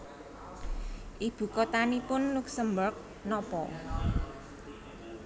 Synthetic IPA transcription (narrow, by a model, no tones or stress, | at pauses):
ʔib̥ṳkɔt̪anipʊnluksəmbərk̚ | nɔpɔ